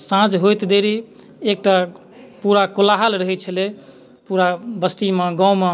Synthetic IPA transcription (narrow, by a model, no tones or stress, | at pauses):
sãd͡ʒɦojt̪d̪eɾi | ek̚ʈa | puɾakolaɦəlɾəɦɛt͡ʃʰəle | puɾabəst̪imeɡãwmẽ